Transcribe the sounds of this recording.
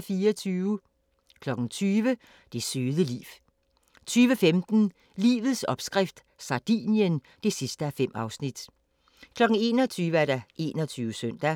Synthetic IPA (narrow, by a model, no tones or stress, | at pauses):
fiːɒt͡sʰyːʊə | kʰlɒ̽ɡ̥n̩t͡sʰyːʋə | d̥e̝syːðˠəlḭːʋ | t͡sʰyːʋəfemd̥n̩ | lḭːʋð̞̩ˠsɒ̽b̥sɡ̥ʁɛfd̥ | sɑ̈d̥ḭːnjən | d̥e̝sisd̥əæfem̰ɑ̈ʊsnid̥ | kʰlɒ̽ɡ̥n̩e̝̰ːnɒt͡sʰyːʋəæɐɾæʔe̝̰ːnɒt͡sʰyːʋəsøn̰d̥æ